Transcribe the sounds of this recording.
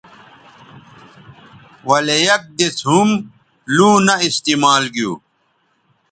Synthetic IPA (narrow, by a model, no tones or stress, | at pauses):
wɐlejɐk̚d̪et͡sɦum | lũːnɐist̪iːmaːlɡijṵː